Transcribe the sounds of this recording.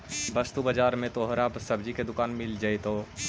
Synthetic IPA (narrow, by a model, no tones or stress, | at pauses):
bɐst̪ubəd͡ʒaːɾmẽt̪oːɦəɾaːbsɐbd͡ʒiked̪ʊkaːnmɪld͡ʒaːet̪oː